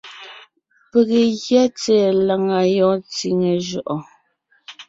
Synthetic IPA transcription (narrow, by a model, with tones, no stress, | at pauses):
pe˨ɣe˨ɣjɛ˦t͡sɛ˨la˨ŋa˨jɔ˨˦t͡si˨ŋe˨ʒɔ˨ʔɔ˨